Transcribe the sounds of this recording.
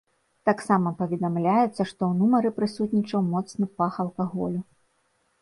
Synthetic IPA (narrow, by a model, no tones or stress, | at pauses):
t̪aksamɐpɐvʲɛd̪amlʲajɛt̪sːɐʂt̪ɔwnumɐɾɨpɾɨsut̪ʲnʲit͡ʂɐwmɔt̪snɨpaxɐlˠkaɣɔ̰lʲu